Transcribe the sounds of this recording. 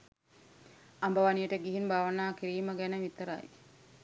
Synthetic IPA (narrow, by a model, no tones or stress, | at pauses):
ambəʋanijəʈəɡiɦinbʱaːʋənaːkiɾiːməɡænəʋit̪əɾa̰j